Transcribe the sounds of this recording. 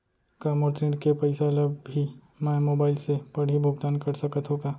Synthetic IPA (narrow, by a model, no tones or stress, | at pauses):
kaːmɔɾt̪ɾĩɳɖkepɐɪseɐləbʱi | mɛ̃moːbaːɪlsepɐɽ̤ibʱʊɡ̚t̪aːnkɐɾsɐkət̪ɦoːɡaː